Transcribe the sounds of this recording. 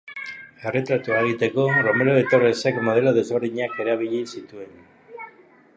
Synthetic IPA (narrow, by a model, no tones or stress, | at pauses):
e̞re̞t̪ɾat̪uaɣit̪e̞ko̞ro̞me̞ɾoet̪o̞rese̞kmo̞ðe̞loð̞e̞zβe̞ɾðiɲake̞ɾaβ̞iʎisit̪ue̞n